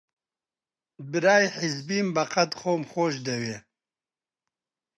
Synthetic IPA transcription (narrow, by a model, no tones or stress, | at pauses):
bɨɾaːjħizbiːmbɐqɐd̪χoːmχoːʃd̪ɐweː